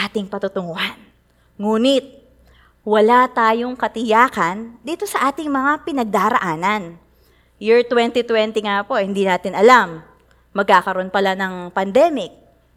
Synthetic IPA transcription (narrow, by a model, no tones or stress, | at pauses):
ʔaːt̪ɪŋpɐt̪ʊt̪ʊŋohan | ŋuːnɪt̪̚ | wɐlat̪aːjo̞ŋkɐt̪ɪjaːkɐnd̪iːt̪o̞sɐʔaːt̪ɪŋmɐŋapɪnɐɡ̚d̪aɾɐ̰ʔaːnɐn | jʊɹt̪wɛnt̪it̪wɛnt̪ɪŋapo̞hɪnd̪iːnaːt̪ɪnʔɐlamː | ɐɡ̚kaːkɐɾonpɐlanɐŋpɐnd̪ɛmɪk̚